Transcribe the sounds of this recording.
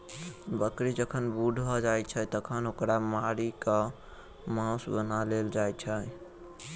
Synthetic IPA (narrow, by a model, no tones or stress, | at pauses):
bəkɾid͡ʒəkʰənbuɖʱbʱɔd͡ʒajt͡ʃʰət̪əkʰənɦokɾamaɾikə | mãsbənaleld͡ʒajt͡ʃʰə